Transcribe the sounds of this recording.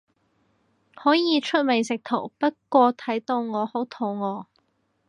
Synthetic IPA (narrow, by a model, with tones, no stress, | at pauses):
hɔː˨˥jiː˨˧t͡ʃʰɵ˥t̚me˨˩jsɪ˨k̚t̪ʰo̰˨˩wpɐ˥t̚kʷɔː˧t̪ʰɐ˨˥jt̪o˧wŋɔː˨˧ho˨˥wt̪ʰo˨˧wŋɔː˨˧